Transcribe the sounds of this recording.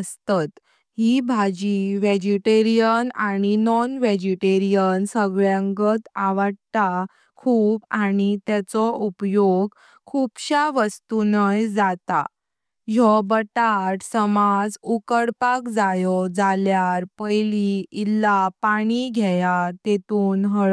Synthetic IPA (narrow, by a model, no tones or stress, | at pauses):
əst̪at̪ | ɦibʱad͡ʑiʋed͡ʑiʈeɾijənaɽ̃inɔnʋed͡ʑiʈeɾijənsəɡɭjãŋɡət̪aʋəɽt̪a | kʰuːbaɽ̃it̪ɛt͡sɔupjoɡ | kʰupɕaʋəst̪unəjd͡zat̪a̰ | jɔbəʈaʈsəmad͡zukəɽpakd͡zajɔd͡zaljaɾpəjliilːapaɽ̃iɡʱɛjat̪et̪uːnɦəɭ